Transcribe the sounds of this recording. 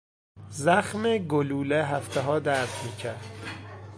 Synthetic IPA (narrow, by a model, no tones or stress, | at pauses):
zæxmeɡoluːleɦæft̪ʰeɦɒːd̪æɾt̪ʰmiːcʰæɾd̪̥